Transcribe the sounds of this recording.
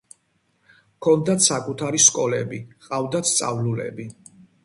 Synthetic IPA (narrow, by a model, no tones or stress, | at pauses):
kʰɔnd̪at̪sakʼut̪ʰaɾiskʼɔlɛbiqʼavd̪at̪st̪sʼa̰vlulɛ̰bi